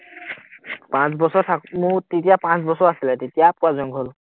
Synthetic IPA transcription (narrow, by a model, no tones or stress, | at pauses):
pãt͡sbɔsɔɹtʰakmutitijapãt͡sbɔsɔɹasilɛtetijapuazɔŋɡʱɦol